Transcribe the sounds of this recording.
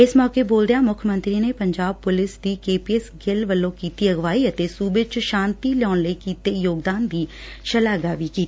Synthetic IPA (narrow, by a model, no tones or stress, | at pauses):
ɪsmɔːkeːboːld̪ejaːmʊkʰmə̃nt̪ɾiːneːpəɲd͡ʒaːb̚pʊlɪsd̪iːkeːpiːɛsɡɪlʋəlːõːkiːt̪iːəɡʋaːiːət̪eːsuːbet͡ʃʃãːnt̪iːlɔːnləiːkiːt̪eːjoːɡd̪aːnd̪iː | ʃəlaːɡaːʋiːkiːt̪iː